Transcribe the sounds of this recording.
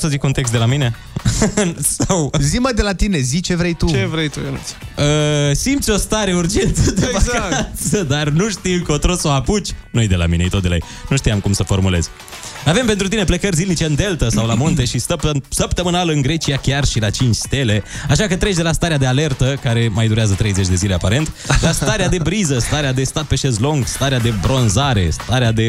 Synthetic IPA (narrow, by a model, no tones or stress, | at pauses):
səzikunt̪e̞ks̬t̪d̪elamine̞ | sawziməd̪e̞lat̪ine̞zit͡ʃe̞vɾejt̪uevɾejt̪ujenṵ̥əsimt̪sʲo̞st̪aɾe̞urd͡ʒe̞nt̪səd̪eakaasəd̪arnuʃt̪iwkəot̪ɾosoaput͡ʃʲnujejd̪e̞la̰minḛjt̪od̪elaḛjnuʃt̪iamkumsəfo̞rmule̞̰z̥ | ave̞mpent̪ɾut̪ineplekərʲzilnit͡ʃe̞ɨnd̪e̞lt̪əsawlamunt̪e̞ʃist̪əpsəp̚t̪əmənaləɨnɡɾe̞t͡ʃiakʲarʃilat͡ʃint͡ʃʲst̪e̞le̞aʃakət̪ɾe̞t͡ʃʲd̪e̞last̪aɾead̪e̞ale̞rt̪əkaɾe̞majd̪uɾeazət̪ɾe̞jze̞t͡ʃʲd̪e̞zile̞apaɾe̞nt̪last̪aɾead̪e̞bɾizəst̪aɾead̪e̞st̪at̪̚pe̞ʃezlo̞ŋɡst̪aɾead̪e̞bɾo̞nzaɾe̞̰st̪aɾead̪e̞